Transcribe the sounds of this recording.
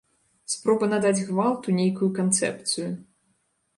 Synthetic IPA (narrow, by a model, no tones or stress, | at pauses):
spɾɔbɐnad̪ad͡zʲɣvalˠt̪unʲejkujukant̪sɛ̰p̚t̪sɨju